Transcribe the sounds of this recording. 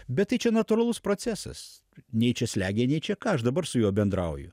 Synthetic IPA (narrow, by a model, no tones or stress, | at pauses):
bʲɛt̪t̪ːɐɪt͡ʃʲɛnɐt̪ʊɾɐlˠʊspɾoːt͡s̪ʲæːsɐ̰s | nʲɛɪt͡ʃʲɛsʲlʲæːɡʲeːnʲɛɪt͡ʃʲɛkɑːɐʃd̪ɐbɐɾsʊjuːbʲɛnd̪ɾɐʊjʊ̰